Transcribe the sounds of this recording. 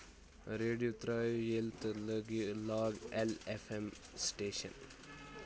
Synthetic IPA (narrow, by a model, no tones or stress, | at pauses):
ɾeːɖijut̪ɾaːjujelt̪ləɡilaːɡelefem | sʈeːʃə̰n